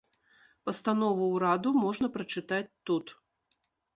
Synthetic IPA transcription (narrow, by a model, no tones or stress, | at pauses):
pɐst̪an̪ɔvuwɾad̪umɔʐnɐpɾɐt͡ʂɨt̪at͡sʲt̪ːut̪